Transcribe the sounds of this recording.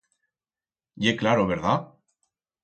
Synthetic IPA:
ʝeklaɾoβ̞eɾða

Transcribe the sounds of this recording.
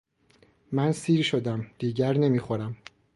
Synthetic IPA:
mænsiːɾʃo̞d̪æmd̪̥iːɟæɾne̞miːxo̞ɾæm

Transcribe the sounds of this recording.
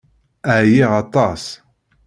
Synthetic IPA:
əʕjiʁɑt̪ˤɑs

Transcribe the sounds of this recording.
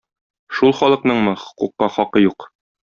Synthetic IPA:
ʃulˠχɒlˠɤ̆qnɤɴmɤχŏ̥quqːɑχɒqɤjuq

